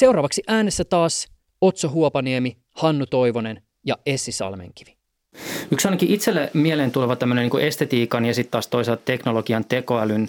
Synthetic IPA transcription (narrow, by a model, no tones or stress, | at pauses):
se̞uwɾɑːʋɑksiʔæːnesːæt̪ɑːs | o̞t̪soɦuopɑniemi | hɑnːut̪o̞jʋo̞ne̞n | jɑesːisɑ̰lmḛŋk̟i̥ʋi̥ | yksɑijnɑkiʔit̪selːemieleːnt̪uleʋɑt̪æmːønenːiːŋkuʔe̞st̪et̪iːkɑnjɑsit̪tːɑːst̪oiseltt̪e̞knoloɡiɑnt̪eko̞ælyn